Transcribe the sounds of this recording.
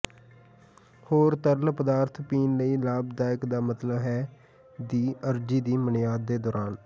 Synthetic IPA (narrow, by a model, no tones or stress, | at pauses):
hoːɾt̪əɾlpəd̪aːɾt̪ʰpiːnləiːlaːbd̪aːjəkd̪aːmət̪ləbɦɛː | d̪iːəɾd͡ʒiːd̪iːmənɪjaːd̪ːeːd̪ɔːɾaːn